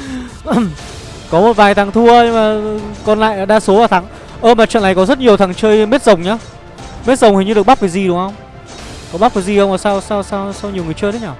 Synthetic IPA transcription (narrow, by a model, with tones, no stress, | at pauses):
kɔ˨˦mo˨˩t̚vaː˨˩jt̪ʰaː˨˦ŋt̪ʰu˧ə˧ɲ˧maː˨˩kɔ˧nla̰ː˧˨jaː˨˦ɗaː˧su˨˦əvaː˨˩t̪ʰaː˨˦ŋ | ʔəː˧maː˨˩t͡ɕə̰˧˨na˨˩jkɔ˨˦zə˦˥t̚ɲi˨˩əwt̪ʰa˨˦ŋt͡ɕəː˧jme˦˥t̚zə˨˩wŋ͡mɲaː˨˦ | me˦˥t̚zə˨˩wŋ͡mhi˨˩ŋɲɨ˧ɗk̚ɓa˦˥kaː˨˦jzi˨˩ɗʊ˨˦ŋhə˧wŋ͡m | kɔ˨˦ɓa˦˥p̚kaː˨˦jzi˨˩xə˧wŋ͡mʔəː˧˩sa˧wsa˧wsa˧wsa˧wɲi˨˩əwŋ˨ət͡ɕəː˧jt̪ʰə˨˦ɲaː˨˩